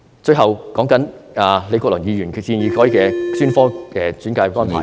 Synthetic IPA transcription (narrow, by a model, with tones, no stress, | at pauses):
t͡ʃɵ˧ɥɦɐ˨wkɔː˨˥ŋkɐ˨˥n | aː˨le˨˧jkɔː˧k̚lɵː˨˩ŋjiː˨˧jyː˨˩nʰ˨siː˧njiː˨˧kʰɔː˨˥iː˨˧ɛː˧syː˥nfɔː˥kɛː˧t͡syː˨˥nkaː˧jkʷwaː˥npʰa̰˨˦j